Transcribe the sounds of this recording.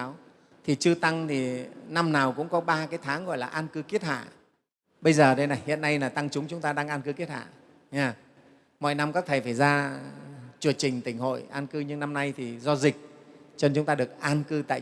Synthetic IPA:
w | t̪ʰi˨˩t͡ɕɨ˧ət̪a˧ŋt̪ʰi˨˩na˧mnaː˨˩wkʊ̰˧˥ŋ͡mkɔ˨˦ɓaː˧kaː˨˦jt̪ʰaː˨˦ŋɣɔ̰˧˨jlaː˨˩ʔaː˧nkɨ˧˦ki˦˥ət̚ha̰ː˧˨ | ɓə˧jzəː˨˩ɗə˨˦jna˨˩jhḭ˧˨ənːa˧jlaː˨˩t̪a˧ŋt͡ɕʊ˨˦ŋ͡mt͡ɕʊ˨˦ŋ͡mt̪aː˧ɗaː˧ŋʔaː˧nkɨ˧ki˦˥ət̚ha̰ː˧˨ | ɲaː˧˩ | mɔ̰˧˨jna˧mkɔ˨˦t̪ʰe˧˩faː˧˩jzaː˧ | t͡ɕu˧˩ət͡ɕï˨˩ŋ̟t̪ï˧˩ŋ̟ho̰˧˨jʔaː˧nkɨ˧ɲɨ˧ŋna˧mna˧jt̪ʰi˨˩zɔ˧zï˨˩k̟̚t͡ɕə˧nt͡ɕʊ˨˦ŋ͡mt̪aː˧ɗɨ˨˩ək̚ʔaː˧nkɨ˧t̪a̰ː˧˨

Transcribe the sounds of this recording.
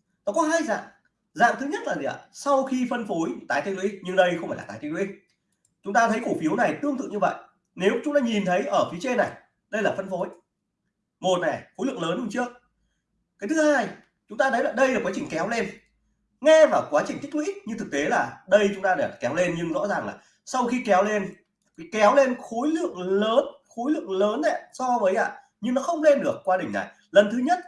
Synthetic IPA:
nɔ˨˦kɔ˨˦ɦaː˧jza̰ː˧˨ʔ | za̰ː˧˨mt̪ʰɨ˨˦ɲə˦˥t̚la˨˩ḭ˨˧˨a̰˧˨˩sa˧wxi˧fə˧nfo˨˦jt̪aː˨˦jt̪i˧˥lwḭ˧˥ɲɨ˧ŋɗə˧jxə˧ŋ͡mfaː˧˩laː˨˩t̪ːjt̪i˦˥k̚wḭ˧˦˥k̚ | t͡ɕʊ˨˦ŋ͡mt̪aː˧t̪ʰə˨˦jku˧˩fi˨˦əwna˨˩jt̪ɨ˧əŋt̪ɨ̰˧˨ŋɲɨ˧və̰˧˨jʔ | ne˨˦wt͡ɕʊ˨˦ŋ͡mt̪aː˧ɲi˨˩nt̪ʰə˨˦jʔəː˧˩fi˨˦ət͡ɕe˧na˨˩j | ɗə˧jlaː˨˩fə˧nfo˨˦j | mo˨˩t̚na˨˩jxo˨˦lɨ̰˧˨əŋləː˨˦nɗu˨˧˩t͡ɕɨ˦˥ək̚ | kaː˨˦jt̪ʰɨ˨˦haː˧j | t͡ɕʊ˨˦ŋ͡mt̪aː˧ɗə˨˦jlaː˨˩ɗə˧jlaː˨˩kwaː˨˦t͡ɕï˨˩ŋ̟kɛ˨˦wle˧n | ŋɛ˧vaː˨˩wkwaː˨˦t͡ɕi˨˩ŋ̟ʰi˦˥k̚lwḭ˧˦˥k̚ɲɨ˧t̪ɨ˨˩k̚t̪e˨˦laː˨˩ɗə˧jt͡ɕʊ˨˦ŋ͡mt̪aː˧ɗa˧˩˨kɛ˨˦wle˧nɲɨ˧ŋzɔ̰˧˥zaː˨˩ŋla̰ː˨˩ | sa˧wxi˧kɛ˨˦wle˧n˨˦ | kɛ˨˦wle˧nxo˨˦jlɨ̰˧˨əŋləː˨˦nxo˨˦jlɨ̰˧˨əŋləː˨˦nːɛ̰˧˨sɔ˧vəː˨˦jʔa̰ː˧˨ | ɲɨ˧ŋnɔ˨˦xə˧wŋ͡mle˧nɗɨ˨˩ək̚ːwaː˧ɗï˨˩ŋ̟na̰˨˩j | lə˨˩nt̪ʰɨ˨˦ɲə˦˥t̚

